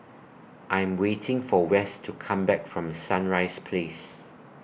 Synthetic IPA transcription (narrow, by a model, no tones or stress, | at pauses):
ʔãɪ̃mwetʰɪ̃ŋfɔwɛstʰukʰãmbɛkfɹɔ̃msãnɹaɪspʰles